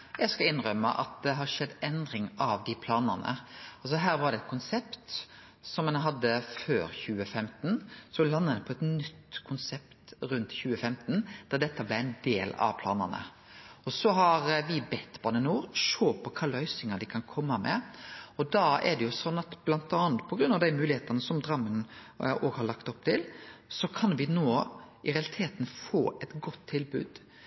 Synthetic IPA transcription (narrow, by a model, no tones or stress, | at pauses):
jæɪskɑɪnɾœmːə̰ʔɑ̰t̪̚d̪ɛɦɑɾʂɛd̪ːɛnd̪ɾɪŋɑʋd̪ɪpʰlɑːnənə̰ɑls̬ɔɦæːɾʋɑɾd̪ɛt̪̚kʰʊnsɛpt̪ | sɔmɛnɦɑd̪ːəføːɾçʉːəfɛmt̪nsɔlɑnːəd̪ɛpʰɔɛt̪nʏt̪ːkʰʊnsɛpt̪ɾʉnt̪çʉːəfɛmt̪nd̪̥ɑd̪ɛt̪ːəblæɪɛɪnd̪eːlɑ̰ʋpʰlɑːnə̰nə̰ | ɔsɔɦɑɾʋɪbɛt̪ːbɑnənuːɾʂoːpʰɔkʰɑːlœʏsɪŋɑd̪ɪkʰɑnkʰɔmːɑmɛ̰ɔd̪ɑɛ̰ɖɛjʊsɔnːɑt̪b̥lɑnt̪ɑːnt̪̚pʰɔɡɾʉnːɑʋd̪æɪmʉːlɪeːt̪ɑnəsɔmd̪ɾɑmːənʔoːɡhɑɾɭɑkt̪ɔpt̪ʰɪlsɔkʰɑnʋɪnoːɪɾɛɑlɪt̪ʰeːt̪n̩foːʔɛt̪ɡɔt̪ʰːɪlbʉ̰ːd̪̥